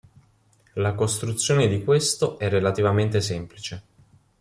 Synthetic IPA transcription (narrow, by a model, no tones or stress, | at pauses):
lakost̪ɾut̪sːjoːned̪ikwest̪oʔɛrːelat̪ivament̪esɛmplit͡ʃe